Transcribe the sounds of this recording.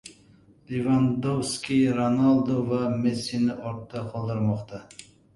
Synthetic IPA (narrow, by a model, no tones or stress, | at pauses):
lʲevand̪owskʲiɾonalˠd̪ovamesinɪʔɒɾt̪ːɑqʰɒlˠd̪ɨɾmɒqt̪ʰɑ